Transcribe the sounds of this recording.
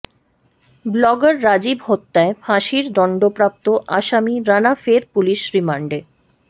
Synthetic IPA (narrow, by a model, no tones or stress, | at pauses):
blɔɡaɾːad͡ʑibhot̪ːaefʰaʃiɾd̪ɔɳɖopɾap̚t̪oʔaʃamiɾanafeɾpuliʃɾimaɳɖe